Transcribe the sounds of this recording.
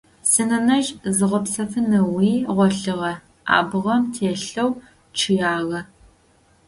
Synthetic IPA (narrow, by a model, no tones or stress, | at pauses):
sɨnɐnɐʒzɨʁʷɔpsɐfɨnɐwiːʁʷɔɬɨʁɐ | a̰ːbɨʁɐmtʰeːɬɐw | ʈ͡ʂʰɨjaːɣɐ